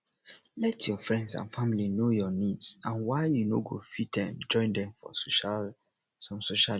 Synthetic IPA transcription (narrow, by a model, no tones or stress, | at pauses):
lɛtʰjɔfɹɛ̃ndsã̰nfamilinojɔnidsãnwaɪjunoɡofit̚dɛ̰̃md͡ʒɔ̃ɪ̃ndɛ̃mfɔ̰s | sɔ̃msoʃa